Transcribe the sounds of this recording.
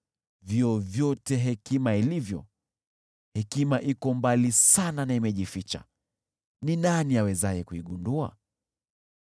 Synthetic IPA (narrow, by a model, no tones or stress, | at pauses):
vjɔvjɔtɛɦɛkimailivjɔ̰ | hɛkimaʔikɔmbalisananaimɛʄifit͡ʃa̰ | ninaniawɛzajɛkuiɠundua̰